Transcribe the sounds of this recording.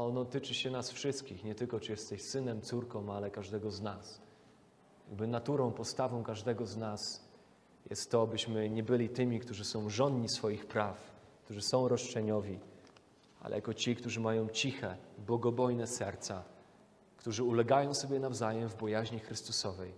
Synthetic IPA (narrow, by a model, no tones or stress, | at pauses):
ɔnɔt̪ɘt͡ʂɘɕɛnasfʂɘst̪̚kʲixɲɛt̪ɘlkɔt͡ʂɨjɛst̪ɛɕsɘnɛmt̪suɾkɔ̃w̃alɛkaʐd̪ɛɡɔznas | jaɡ̚bɘnat̪uɾɔ̃w̃pɔst̪avɔ̃w̃kaʐd̪ɛɡɔznas | jɛ̰st̪ːɔbɘɕmɘɲɛbɘlʲit̪ɘmʲikt̪uʐɘsɔ̃w̃ʐɔnɲisfɔjixpɾafkt̪uʐɘsɔ̃w̃ɾɔʂt͡ʂɛɲɔvʲi | a̰lɛ̰jakɔt͡ɕik̚t̪uʐɘmajɔ̃w̃t͡ɕixɛbwɔɡɔbɔjnɛsɛɾt̪sa | kt̪uʐɘulɛɡajɔ̃w̃sɔbʲjɛnavzajɛmvbɔjaʑɲixɾɘst̪usɔvɛj